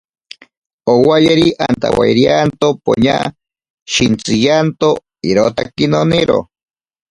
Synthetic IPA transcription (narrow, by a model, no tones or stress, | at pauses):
owajeɾiʔant̪a̰wajɾiant̪opo̰ɲa | ʃint͡sijant̪o | iɾot̪akinoniɾo̰